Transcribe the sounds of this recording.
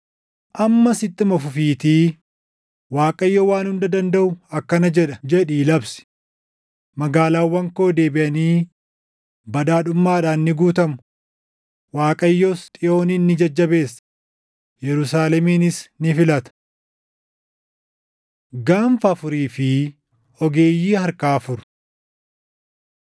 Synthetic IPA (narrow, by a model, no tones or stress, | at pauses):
ʔɐmːɐsɪt̪ʼːɪmɐfʊfiːt̪i | waːkʼɐjːoːwaːnhʊnd̪ɐd̪ɐnd̪ɐʔʊɐkːɐnɐd͡ʒɛᶑɐd͡ʒɛᶑiːlɐbsɪ̥ | mɐɡaːlaːwːɐŋko̞ːd̪eːbɪʔɐniː | bɐd̪aːᶑʊmːaːᶑaːnːɪɡuːt̪ɐmʊ | waːkʼɐjːost̪ʼɪʔo̞ːniːnːɪd͡ʒɐd͡ʒːɐbe̞ːsːɐ̥ | jɛɾʊsaːlɛmiːnɪsnɪfɪlɐt̪ɐ̥ | ɡaːɱfɐːfʊɾiːfɪ | ɔɡe̞ːjːiːhɐɾkaːfʊɾʊ̥